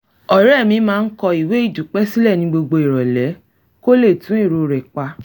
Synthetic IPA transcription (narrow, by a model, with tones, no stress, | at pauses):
ɔ˨ɾɛ˦˨mĩ˧˦mãː˦˧n̩˦kɔ˧i˨we˨˦i˦˨du˨k͡pɛ˦si˦lɛ˦˨nĩ˧˦ɡ͡bo˧ɡ͡bo˧i˨ɾɔ˨lɛ˨˦ | ko˦le˦˨tũ˨˦e˦˨ɾo˨ɾɛ˨k͡pa˧